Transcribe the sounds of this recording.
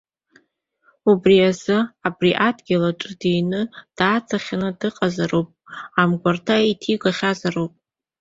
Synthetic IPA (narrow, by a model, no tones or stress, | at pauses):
ubriazɨabriʔadɡʲɪlaʈ͡ʂʷʼɨdejnɨd̥aːt͡sʰaχʲanɨdɨqʼazaropʼamɡʷartʰaitʰiɡʷaχʲazarowpʼ